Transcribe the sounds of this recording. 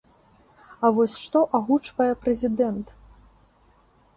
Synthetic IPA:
ɐvɔsʲʂt̪ɔʔaɣut͡ʂvɐjɛpɾɐzʲid̪ɛnt̪

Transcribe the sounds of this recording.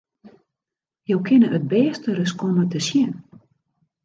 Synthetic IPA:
jowkʰɪnəət̚bɛːstərəskɔmətəsjɛn

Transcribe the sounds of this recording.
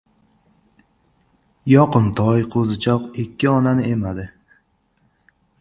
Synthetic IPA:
jɒqɨmt̪ʰɒjqʰozɪt͡ʃʰɒqɪkʲʰːɪɒnanɪe̞mad̪ɪ

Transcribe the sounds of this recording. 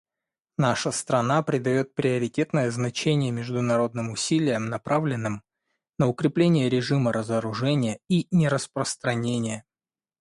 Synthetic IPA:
naʂəst̪ɾɐnapɾʲɪd̪ɐjo̞t̪̚pɾʲɪəɾʲɪtʲe̞t̪nəjəznɐt͡ɕenʲɪjəmʲɪʐd̪ʊnɐɾo̞d̪nɨmʊsʲilʲɪjəmnɐpɾavlʲɪnːɨm | nəʊkɾʲɪplʲenʲɪjəɾʲɪʐɨməɾəzəɾʊʐɛnʲɪjəinʲɪɾəspɾəst̪ɾɐnʲenʲɪjə

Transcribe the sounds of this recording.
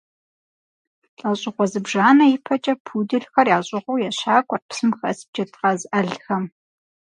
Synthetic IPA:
ɬʼɐɕʼɪʁʷɔzɨbʒaːnɐjɪpʰɐt͡ʃʼɐpʰuːdɨɮxɐrjaːɕʼɪʁʷuwjɛɕaːkʷʼɔrpsɨmxɐsb̚d͡ʒɐtʰqɐzʔɐɮxɐm

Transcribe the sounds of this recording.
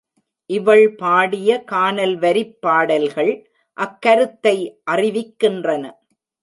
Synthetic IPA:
ʔɪʋɐɭpaːɽɪjɐkaːnɐlʋɐɾɪpːaːɽɐlɣɐɭ | ʔɐkːɐɾɯt̪ːɐɪʔɐrɪʋɪkːɪndrɐnɐ

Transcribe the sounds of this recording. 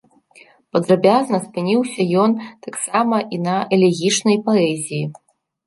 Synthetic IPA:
pɐd̪ɾabʲaznɐspɨnʲiwsʲɐjɔnt̪aksamɐʔinɐʔɛlʲɛɣʲit͡ʂnɐjpɐɛzʲiji

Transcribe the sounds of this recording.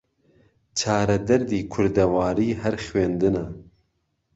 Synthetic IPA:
t͡ʃʰaːɾɛd̪ɛɾd̪iːkʰʊɾd̪ɛwaːɾiːɦɛɾxweːnd̪ɨnɛ

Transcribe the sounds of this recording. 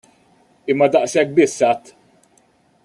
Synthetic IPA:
ɪmːɐd̪ɐʔsɛk̚ːbɪsːɐt̪ː

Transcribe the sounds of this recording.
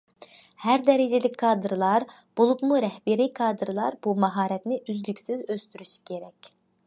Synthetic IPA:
hæɾd̪ɛɾɪd͡ʒɪlɪkʲkʰɑːd̪ɨɾlˠɑɾb̥olˠupmuɾɛhbɪɾikʰɑːd̪ɨɾɨlˠɑɾb̥umɑɦɑːɾɛt̪nɪʔyzlykʲsɪzøst̪yɾyʃi̥kʲʰeɾɛkʲ

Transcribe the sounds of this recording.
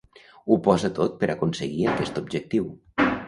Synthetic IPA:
upɔzat̪ot̪̚pəɾʔakunsəɣiakɛst̪ub̚d͡ʒək̚t̪iw

